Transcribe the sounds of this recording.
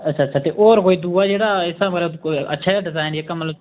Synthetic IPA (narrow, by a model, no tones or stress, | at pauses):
ətt͡ʃʰaːt͡ʃʰaːt̪eːʔoːɾɦoːiːd̪uːaːd͡ʒeːɽaːɪsãːmɾəkə̰tːʃʰaːjaːɖɪzaːɪneːkaːmət̪ləb